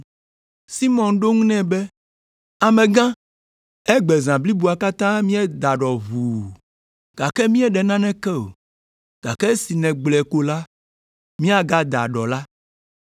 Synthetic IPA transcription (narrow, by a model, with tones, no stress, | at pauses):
si˦mɔ̃˨nɖo˦ŋũ˦nɛ̃˦bɛ˦ | a˨mɛ̃˨ɡã˦ | ɛ˦ɡ͡bɛ˨zã˨bli˦bu˨a˨ka˦t̪ã˦mĩ˦ɛ˦d̪a˨ɖɔ˨vu˨ | ɡ̥a˨kɛ˦mĩ˦ɛ˦ɖɛ˨nã˦nɛ̃˦kɛ˦o̰˨ | ɡ̥a˨kɛ˦si˨nɛ̃˨ɡ͡blɛ˨ko˦la˦ | mĩ˦a˨ɡa˦d̪a̰˨ɖɔ˨la˦